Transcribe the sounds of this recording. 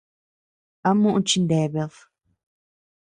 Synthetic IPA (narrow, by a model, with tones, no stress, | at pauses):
a˦mũ˦ʔũ˦˧t͡ʃi˧nd̪e˨βe˧ð